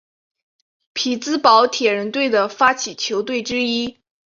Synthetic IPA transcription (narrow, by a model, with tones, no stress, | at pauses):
pʰi˨˩t͡sɹ̩˥pɑ˧˥ʊt̪ʰjɛ˨˩ɻə˧˥nt̪we˥˩ɪd̪ə˩fa˥t͡ɕʰi˨˩t͡ɕʰjo˧˥ʊt̪we˥˩ɪʈ͡ʂɻ̩˥i˥